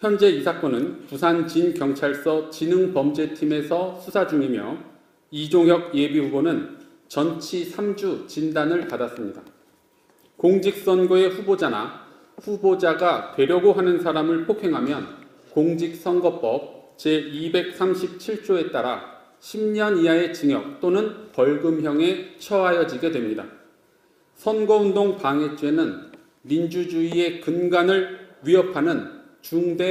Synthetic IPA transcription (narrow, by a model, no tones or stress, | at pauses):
çjʌnd͡ʑe̞isʰak͈ʌnɯnpusʰant͡ɕinkjʌŋt͡ɕʰaɭs͈ʌt͡ɕinɯŋpʌmd͡ʑe̞tʰime̞sʰʌsʰusʰad͡ʑuŋimjʌ̰ | id͡ʑoŋjʌɡ̚je̞bihubonɯn | t͡ɕʌnt͡ɕʰisʰamd͡ʑut͡ɕindanɯɭpadas͈ɯmɲida | koŋd͡ʑik̚s͈ʌnɡoe̞ɸubod͡ʑana̰ | ɸubod͡ʑaɡatwe̞ɾjʌɡoɦanɯnsʰaɾamɯɭpʰokʰe̞ŋɦamjʌn | koŋd͡ʑik̚s͈ʌnɡʌp͈ʌp̚t͡ɕeibe̞k̚s͈amɕʰip̚t͡ɕʰiɭt͡ɕ͈oe̞t͈aɾa̰ | ɕʰimɲʌniae̞t͡ɕiŋjʌk̚t͈onɯnpʌɭɡɯmçjʌŋe̞t͡ɕʰʌajʌd͡ʑiɡe̞dwe̞mɲida̰ | sʰʌnɡʌundoŋpaŋe̞t͡ɕ͈we̞nɯn | mind͡ʑud͡ʑuie̞kɯnɡanɯɭɥiʌpʰanɯnt͡ɕuŋde̞